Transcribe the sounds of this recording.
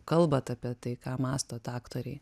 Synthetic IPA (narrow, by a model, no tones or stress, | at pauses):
kɐlˠbɐt̪ɑpʲiɛt̪ɐɪkɑːmɑːst̪oːt̪ɑːkt̪oːɾʲɛɪ